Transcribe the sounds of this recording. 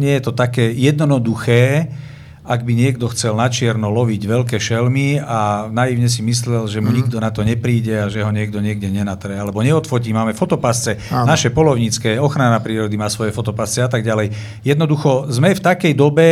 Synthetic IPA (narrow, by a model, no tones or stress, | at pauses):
ɲɪɛjɛt̪ɔt̪akɛːjɛd̪nɔnɔd̪uxɛː | aɡ̚biɲɪɛɡd̪ɔxt͡sɛlnat͡ʃɪɛɾnɔlɔʋiɟʋɛlkɛːʃɛlmianajiʊɲɛs̬imislɛlʒɛmuɲiɡd̪ɔnat̪ɔɲɛpɾiːɟɛaʒɛɦɔɲɪɛɡ̚d̪ɔɲɪɛɡɟɛɲɛnat̪ɾɛalɛbɔɲɛɔt̪fɔciːmaːmɛfɔt̪ɔpast͡sɛnaʃɛpɔlɔʊɲit͡skɛːɔxɾanapɾiːɾɔd̪imaːsʋɔjɛfɔt̪ɔpast͡sɛat̪aɡɟalɛj | jɛd̪nɔd̪uxɔzmɛft̪akɛjd̪ɔbɛ